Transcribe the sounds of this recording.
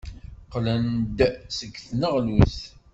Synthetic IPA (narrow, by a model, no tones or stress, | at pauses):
qlænd̪səɡθnəʁluθ